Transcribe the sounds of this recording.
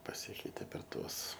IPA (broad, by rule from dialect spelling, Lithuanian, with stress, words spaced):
pɐˈsʲɪkʲɛɪtʲɛ pʲɛr ˈtuɔs